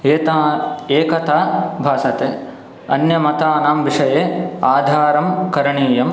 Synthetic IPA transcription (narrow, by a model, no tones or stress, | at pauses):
eːt̪aeːkɐt̪aːbʱaːsɐt̪eː | ɐ̰njɐmɐt̪aːnaːmʋiʂɐjeːaːd̪ʱaːɾɐmkɐɾɐɳiːjɐm